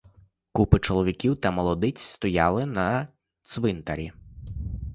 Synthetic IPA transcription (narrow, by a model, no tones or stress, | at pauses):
kupɪt͡ʃɔlˠɔʋʲikʲiwt̪ɐmɔlˠɔd̪ɪt͡sʲst̪ɔjɑlˠɪnɐ | t̪sʋɪnt̪ɐɾʲḭ